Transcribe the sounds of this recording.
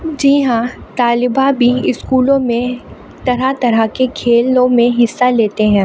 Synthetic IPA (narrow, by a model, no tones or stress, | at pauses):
d͡ʒiːɦãt̪aːlɪbabʱiɪskuːlõmẽ | t̪ɐɾat̪ɐɾakekʰeːlõmẽɦɪsːaleːt̪eɦɛ̃ː